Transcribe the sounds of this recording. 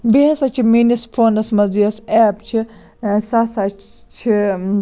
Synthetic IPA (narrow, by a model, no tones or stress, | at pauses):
beɐsɐt͡ʃʰiminispʰoːnɐsmɐziɐseːpt͡ʃʰi | sɐsa | t͡ʃʰi